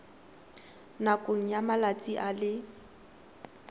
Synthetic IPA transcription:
nakʼoŋ̩jamalat͡sʼiʔalɪ

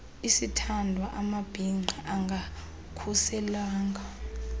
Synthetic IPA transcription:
isitʰandʱwaʔamab̥ʱiŋ͡ǃʱaʔaŋɡʱa | kʰusɛlaːŋɡʱa

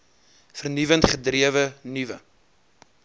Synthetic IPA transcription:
fərnyvəntχədriəvənyvə

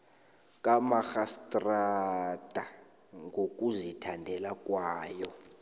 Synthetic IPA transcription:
kʼamaxastʼrad̥ʱa | ŋɡok̬ʼuzitʰandʱɛlakʼwaːjɔ

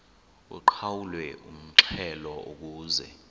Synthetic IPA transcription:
wɛ̰ǃʰawulwɛʔum̩ǁʰɛlɔok̬uːzɛ̰

